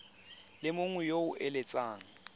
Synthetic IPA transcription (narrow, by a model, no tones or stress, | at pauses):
lɪmʊŋwɛjoʊʔelet͡sʼaːŋ̩